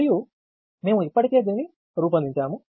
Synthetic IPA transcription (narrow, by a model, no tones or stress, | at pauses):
ju | me̞ːmuipːɐʈik̪eːd̪inːi | ɾuːp̬ɐnd̪iɲt͡ʃaːmu